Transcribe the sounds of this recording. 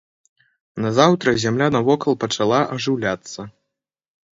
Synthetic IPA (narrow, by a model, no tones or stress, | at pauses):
nɐzawt̪ɾɐzʲamlʲanɐvɔkɐlˠpɐt͡ʂalˠaʔɐʐɨwlʲat̪sːɐ